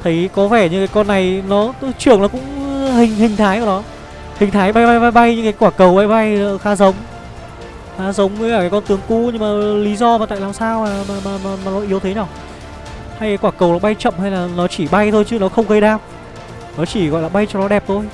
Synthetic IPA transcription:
t̪ʰə˨˦jkɔ˨˦vɛ˧˩ɲɨ˧kaː˨˦jkɔ˧nːa˨˩jnɔ˨˦t͡ɕɨ˨˩əŋnɔ˨˦kʊ̰˧˥ŋ͡mhï˨˩ŋ̟hï˨˩ŋ̟t̪ʰaː˨˦jku˧˩nɔ˨˦ | hï˨˩ŋ̟t̪ʰaː˨˦jɓa˧jɓa˧jɓa˧jɓa˧jɲɨ̰˧˥kaː˨˦jkwaː˧˩kə˨˩wɓa˧jɓa˧jə˨xaː˨˦zə˨˦wŋ͡m | xaː˨˧˦zə˨˦wŋ͡maː˧˩kaː˨˦kɔ˧nt̪ɨ˨˦əŋku˧˦ɲɨ˧ŋmaː˨˩li˨˦zɔ˧maː˨˩t̪a̰ː˧˨jlaː˨˩msaː˧waː˨˩maː˨˩maː˨˩maː˨˩maː˨˩nɔ˨˦ʔi˨˦əwt̪ʰe˨˦ɲɔː˧˩ | ha˧jkaː˨˦jkwaː˧˩kə˨˩wlaː˨˩ɓa˧jt͡ɕə̰˧˨mha˧jlaː˨˩nɔ˨˦t͡ɕi˧˩ɓa˧jt̪ʰo˧jt͡ɕɨ˨˦nɔ˨˦xə˧wŋ͡mɣə˧jɗaː˧m | nɔ˨˦t͡ɕi˧˩ɣɔ̰˧˨jlaː˨˩ɓa˧jt͡ɕɔ˧ŋ͡mnɔ˨˦ɗɛ˨˩p̚t̪ʰo˧j

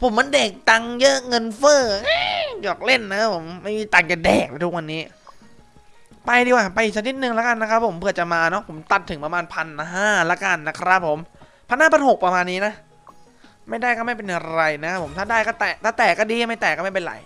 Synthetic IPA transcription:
pʰo˩˦ma˧nde˨˩k̚t̪a˧ŋjɤ˦˥ʔŋɤ˧nfɤː˥˩ɯ˥jɔː˨˩k̚le˥˩nːa˦˥pʰo˨˩˦mːa˥˩jmi˦˧˥t̪a˨˩ŋka˧dɛː˨˩k̚la˧˩t̪u˦˥k̚wa˧nːiː˦˥ | pa˧jdiː˧waː˧˩pa˧jʔi˨k̚sa˧ni˦˥t̪̚nɯ˨˧ŋlɛ˦˥ka˧nːa˦˥kʰa˦˥p̚ʰːo˩˦mpʰɯ˧˩ət͡ɕa˨˩maː˧nɔ˦˥pʰo˩˦mt̪a˨˩t̪ʰːɯ˩˦pɾa˧maː˧npʰa˧nɦaː˥˩lɛ˦˥ka˧nːa˦˥kʰɾa˦˥pʰːo˩˦m | pʰa˧nhaː˥˩pʰa˧nho˨˩k̚pɾa˧maː˧nːiː˦˥na˦˥ʔ | ma˥˩jdaː˥˩jkɔː˥˩ma˥˩jpe˧nja˨ɾa˧jna˦˥pʰːo˩˦mt̪ʰaː˥˩daː˥˩jkɔː˥˩t̪ɛː˨˩k̚t̪ʰaː˥˩t̪ɛː˨˩kːɔː˥˩diː˧˦ma˥˩jt̪ɛː˨˩kɔː˥˩ma˥˩pe˧nla̰˨˩˦j

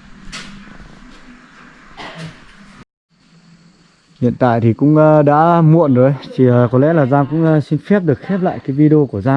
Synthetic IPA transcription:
hḭ˧˨ənt̪a̰ː˧˨jt̪ʰi˨˩kʊ̰˧˥ŋ͡mɗa̰ː˧˥mṵ˧˨ənzo˨˧˦jt̪ʰi˨˩˨kɔ˨˦lɛ̰˧˥laː˨˩zaː˧ŋkʊ̰˧˥ŋ͡msi˧nfɛ˦˥p̚ɗɨ˨˩ək̚xɛ˦˥p̚la̰ː˧˨jkaː˨˦jvi˧ɗə˧o˧ku˧˩əzaː˧ŋ

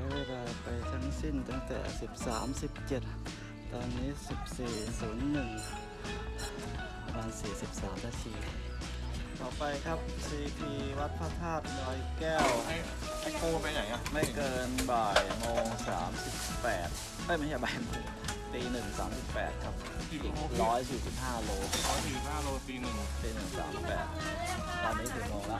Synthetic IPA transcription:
kːbaː˧˩pa˨jt̪ʰa˦˥ŋsi˧˥˩nt̪a˧ŋt̪ɛ̰ː˨˩si˨˩p̚sa̰ː˩˦msi˨˩p̚t͡ɕe˨˩t̪̚ | t̪ːɔː˧nːiː˦˥˨si˨˩p̚siː˨˩suː˩˦nːɯ˨˩ŋ˥ | pa˧maː˧nsiː˨˩si˨˩p̚saː˩˦mla˧˥˩siː˨˩˧ | t̪ɔː˨˩pa˧jkʰa˦˥p̚siː˨˩t̪ʰiː˨˩wa˦˥t̪̚pʰa˧˩t̪ʰaː˥˩t̪̚nɔː˧˩jkɛː˥˩w | a˥˩kʰoː˥˩pa˧ja˨˩jŋa˦˥ma˥˩jkɤː˧nbaː˨˩jmoː˧ŋsaː˩˦msi˨˩pːɛː˨˩t̪̚ | ʔa˥˩jm˧˥jaː˧baː˧n | piː˧nɯ˨˩ŋsa̰ː˩˦msi˨˩pːɛ̰ː˨˩t̪̚kʰa˦˥p̚ː | ɾɔː˦˥jsiː˨˩si˨˩p̚haː˥˩loː˧˥kʰɔː˦jsiː˨˩si˨˩p̚haː˥˩loː˦˥piː˧nɯ˨˩ŋ | piː˧nɯ˨˩ŋsa̰ː˩˦msi˨˩pːɛ̰ː˨˩t̪̚kʰa˦ | aː˧˩niː˧˦˥si˨˩moː˧ŋla˦˥ʔ

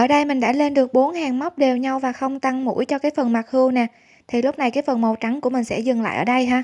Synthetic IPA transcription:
ʔəː˧˩ɗə˧jmï˨˩ɗa̰ː˧˥le˧nɗɨ˨˩ək̚ɓo˨˦nhaː˨˩ŋma˦˥k͡p̚ɗe˨˩wɲa˧wvaː˨˩xə˧wŋ͡mt̪a˧ŋmṵ˧˥jt͡ɕɔ˧kaː˨˦jfə˨˩nma˨˩k̚hɨ˧əwnɛ˨˩ | t̪ʰi˨˩lʊ˦˥k͡p̚na˨˩jkaː˨˦jfə˨˩nmo˨˩t͡ɕa˨˦ŋku˧˩mï˨˩ŋ̟sɛ̰˧˥zɨ˨˩ŋla̰ː˧˨ʔəː˧˩ɗə˧jɦaː˧

